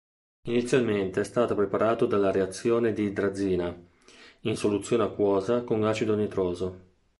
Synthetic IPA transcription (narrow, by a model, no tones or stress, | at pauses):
init̪sːjalment̪eɛst̪aːt̪opɾepaɾaːt̪od̪alːaɾeat̪sːjoːned̪id̪ɾad̪zːiːna | insolut̪sːjoːneakːwɔːzakoŋɡat͡ʃid̪onet̪ɾoːzo